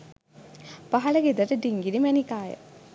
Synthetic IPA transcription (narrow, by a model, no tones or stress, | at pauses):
paɦɐləɡed̪əʈəɖiŋɡinimænikaːjə̰